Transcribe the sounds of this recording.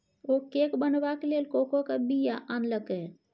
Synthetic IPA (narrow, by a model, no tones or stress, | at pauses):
okekbənʋakelelkokokabijaʔanləke